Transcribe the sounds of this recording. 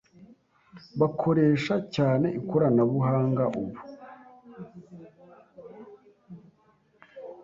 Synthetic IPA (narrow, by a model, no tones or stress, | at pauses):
βakʰo̞ɾe̞ːʃacaːne̞ʔikoɾanaβuɦaːŋɡaʔuβu